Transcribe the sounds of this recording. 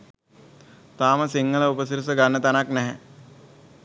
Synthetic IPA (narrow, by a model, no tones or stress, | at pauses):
t̪aːməsiŋːələupəsiɾus̬əɡanːət̪anaknɛɦɛ̰